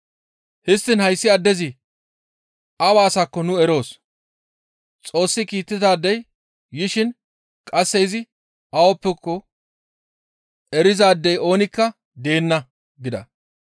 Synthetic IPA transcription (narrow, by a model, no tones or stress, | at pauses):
hɪst̪ːɪnhɐjsːɪɐd̪ːɛzɪ | ʔɐwaːsaːkːɔnʊɛɾo̞ːs | t͡sʼo̞ːsːɪkiːt̪ːɪt̪aːd̪ːɛj | jɪʃɪn | kʼɐsːɛɪzɪ | ʔɐwɔpːɛkːɔ | ɛɾɪzaːd̪ːɛjo̞ːnɪkːɐ | d̪e̞ːnːɐ | ɡɪd̪ɐ̰